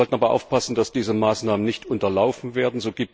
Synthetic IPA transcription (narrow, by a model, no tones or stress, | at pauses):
ɔltn̩aːbɐʔa̰ʊfpasn̩dasd̥iːzəmaːsnaːmənɪçtʔʊntɐlaʊfn̩veːɐdn̩zoːɡiːp̚t